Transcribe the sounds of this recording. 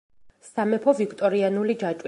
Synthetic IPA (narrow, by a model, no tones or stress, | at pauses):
samɛpʰɔvikʰt̪ʼɔɾianulid͡ʒat͡ʃʼw